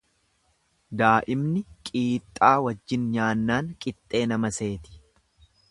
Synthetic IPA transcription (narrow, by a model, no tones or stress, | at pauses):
d̪aːʔɪmnɪkʼiːt̪ʼːaːwɐd͡ʒːɪnɲaːnːaːŋkʼɪt̪ʼːe̞ːnɐmɐse̞ːt̪ɪ̥